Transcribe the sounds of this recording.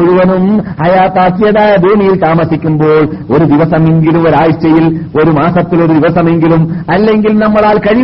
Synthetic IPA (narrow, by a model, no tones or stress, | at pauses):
ɔɻɯʋɐnɯmɐjaːt̪aːsjɐðaːjɐbʱuːmɪjɪlt̪aːmɐsɪkʲːɯmboːɭ | ɔɾɯd̪ɪʋɐsɐmɛnɡɪlɯmɔɾaːjʈːɐjɪlɔɾɯmaːsɐt̪ːɪlɔɾɯd̪ɪʋɐsɐmɛŋɡɪlɯmɐlːɛŋɡɪlɯmnɐmːɐðaːlkɐɻɪ